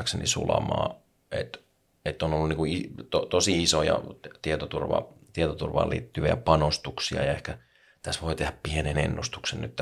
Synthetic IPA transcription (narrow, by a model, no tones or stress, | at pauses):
ksenḭsulɑ̰mɑː | ḛt̪ | et̪ːonolːuniːŋkuit̪ot̪osiisojɑ̰t̪iet̪ot̪urʋɑ̰t̪iet̪ot̪urʋɑ̰ːlḭːt̪ːyʋiæpɑnost̪uksiɑ̰jɑehkæ | t̪æsʋoit̪ehæppienenḛnːust̪u̥ksenny̰t̪t̪ː